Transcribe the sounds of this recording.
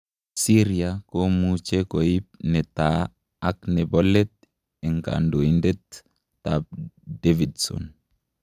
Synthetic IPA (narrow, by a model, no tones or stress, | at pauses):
siɾiakomut͡ʃekoip̚nɛta | ak̚nɛbɔlɛt̪̚ | ɛŋka̰ndoindɛt̪ː | ap̚devidsɔ̰n